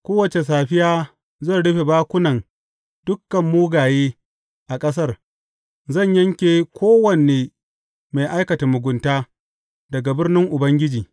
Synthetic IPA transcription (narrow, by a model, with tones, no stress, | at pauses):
kʷoː˦wɐ˨t͡ʃe˨s̬aː˨ɸɪ˦jaː˦ | zɐ˦˨nɽʊ˦ɸe˨baː˦kʷʊ˦nɐ˨n | d̥ʊ˦kːɐ˨mːuː˦ɡaː˨jeː˦ | ʔa˨kʼɐ˦s̬ɐ˦r | zɐ˦˨ɲjɐ˦ŋkʲeː˨kʷoː˦wɐ˨neː˨ | ma˨jʔa˦jkɐ˨ta˨mʊ˨ɡʷʊ˨ntaː˦ | dɐ˨ɡa˨bɪ˦rnɪ˦ŋʔʊ˨bɐ˦ŋɡʲɪ˦d͡ʒiː˨